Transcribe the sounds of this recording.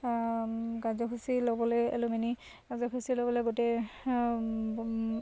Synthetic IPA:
kazɔkʰusilɔbɔlɔja̰lʊmɛni | kazɔkʰusilɔbɔlɔjɡotɛ

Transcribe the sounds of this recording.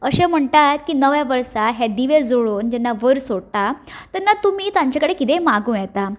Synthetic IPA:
əɕẽm̤əɳt̪at̪̚kiːnəʋjaʋəɾsaɦjad̪iʋed͡zoɭoːnd͡ʑɛnːaʋəɾsoɽt̪at̪anːat̪umiːt̪ãɲt͡ɕakəɽekit̪emaɡũjɛt̪a

